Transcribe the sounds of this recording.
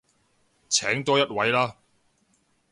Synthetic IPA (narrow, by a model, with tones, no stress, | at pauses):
t͡sʰɛː˨˥ŋt̪ɔː˥jɐ˥t̚wɐ˨˥jlaː˥